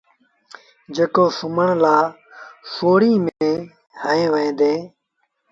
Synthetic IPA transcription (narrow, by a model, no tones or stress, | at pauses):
d͡ʒeːkoːsʊməɳlaː | soːɽiːmeː | həẽːʋəẽːd̪eː